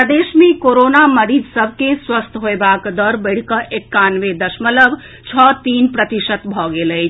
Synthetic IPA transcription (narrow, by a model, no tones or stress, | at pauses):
əd̪esmekoɾonaməɾid͡ʒsəbʱkeswəst̪ʰɦoebakd̪əɾbəɪɽ̤kəʔekːanʋed̪əsmələb | t͡ʃʰɔt̪inpɾət̪isət̪bʱɔɡeləjt͡ʃʰ